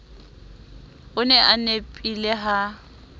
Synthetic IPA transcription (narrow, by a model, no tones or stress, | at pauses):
ʊnɛʔanepʼilɛɦa